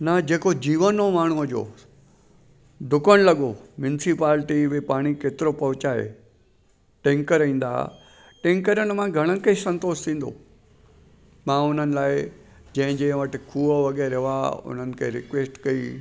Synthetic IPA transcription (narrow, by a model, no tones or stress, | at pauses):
nɐd͡ʑeːkod͡ʑiːʋənomaːɳ̤uəd͡ʑo̰ː | d̪ʊkəɽ̃lɐɠomjʊnɪsipaːlʈiʋepaːɽ̃ikeːt̪ɪɾopɐɦʊt͡ɕaːḛ | ʈẽːŋkəɾĩːn̆d̪a̰ | ʈẽːŋkəɾəñ̆mãɡʱɐɽ̃ənɪkesɐ̃nt̪oːst̪ʰĩːn̆d̪o̰ː | mãːʊn̤ənɪ̆laːɪd͡ʑɐ̃ɦɪ̃d͡ʑẽːʋɐʈɪ̆kʰuːəʋɐɠɛːɾɪʋaʊ̰n̤ənɪ̆kʰḛːɾɪkʋeːsʈkɐi